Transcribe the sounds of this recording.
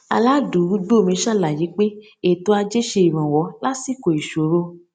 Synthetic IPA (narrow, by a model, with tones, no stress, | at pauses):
a̰˧la˦du˨˦u˦ɡ͡be˦o˧mĩ˧ʃa˦˨la˨ji˨˦k͡pe˦ | e˨to˨˦a˧d͡ʒe˦ʃe˧i˨ɾ̃ã˨wɔ˨˦la˦si˦˨ko˨i˨ʃo˨˦ɾo˧